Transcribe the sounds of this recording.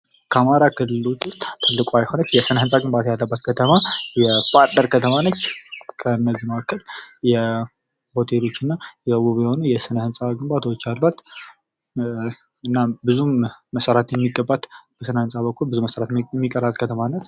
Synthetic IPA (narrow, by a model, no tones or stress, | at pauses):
kʰəamaɾakʰɨlːɨlo̞t͡ʃːwʊst̪ʼt̪ʰːɨlːɨkʷʼoajho̞nət͡ʃːjɛsɨnəhɨnsʼaɡɨmbat̪ʰajalːəbːat̪̚kʰət̪ʰəmajɛfʼaɾt̪əɾkʰət̪ʰəmanət͡ʃːkʰəɨnːəzimakʰːəljɛ | bo̞t̪ʰelo̞t͡ʃːɨnːajɛwuβjɛho̞nujɛsɨnəhɨnsʼaɡɨmbat̪ʰwot͡ʃːalːat̪ | ɨnːambɨzuməsəɾat̪jɛmːiɡəbːat̪b̥əsɨnəhɨnsʼaβəkʰːulbɨzuməsəɾat̪mːikʼːəɾat̪ʼkʰət̪ʰəmanːət̪